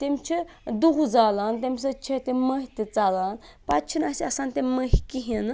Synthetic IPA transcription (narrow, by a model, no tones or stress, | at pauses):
t̪emʲt͡ʃʰi | d̪uɦd͡zaːlaːnt̪̬ʲemʲs̬ɐt͡ʃʰet̪eməɦʲit̪it͡saːlaːnpat͡ʃʰinɐsiɐsaːnt̪ʲeməɦʲkiɦin